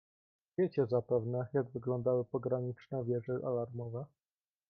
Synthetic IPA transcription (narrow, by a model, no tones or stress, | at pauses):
vʲjet͡ɕɛzapɛvnɛjaɡvɘɡlɔnd̪awɘpɔɡɾaɲit͡ʂnɛvʲjɛʐɛʔa̰laɾmɔvɛ